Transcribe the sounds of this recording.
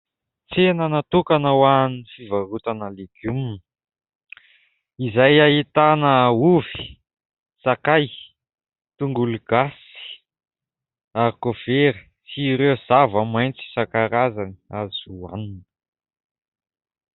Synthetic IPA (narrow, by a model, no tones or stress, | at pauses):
t͡senənat̪ukanəwanifivaɾut̪analekumi | izajait̪anəuvi̥ | sakaj | t̪uŋɡuluɡ̥asi̥ | aɾikofeɾi | siɾewz̥avəmajnt͡si̥sakaɾazaniazua̰ninə